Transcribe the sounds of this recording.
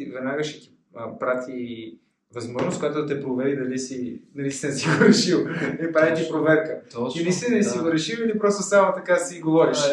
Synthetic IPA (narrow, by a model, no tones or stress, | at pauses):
ivɛd̪naɡəʃɛ̥t̪i̥ | pɾat̪ʰi | vɐzmɔʒnost̪̚kojat̪od̪ɐt̪ɛpɾovɛɾid̪ɐlisinɐlisɛnɛsivəɾʃilˠlipɾavit̪ipɾovɛɾkəilisɛnɛsivəɾʃililipɾɔst̪osamot̪ɐkasiɡovɔɾiʃ